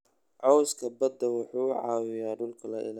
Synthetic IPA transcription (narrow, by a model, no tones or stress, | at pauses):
ʕɔwskʰɐbɐd̪ːɐwʊħuːʕɑ̰ːwɪjaːɖʊlkʰɐlɐʔɪ̰la